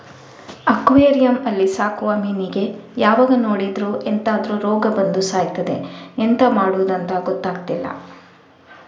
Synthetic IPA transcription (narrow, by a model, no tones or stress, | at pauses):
ɐkʋeːɾijɐmɐlːisaːkuʋɐmiːniɡe̞jaːʋaːɡɐno̞ːɽid̪ɾuʔent̪aːd̪ɾuɾɔːɡɐbɐnd̪usaːjt̪ɐd̪e̞ent̪ɐmaːɽuʋd̪ɐnt̪ɐɡɔt̪ːaːɡt̪ilːɐ̰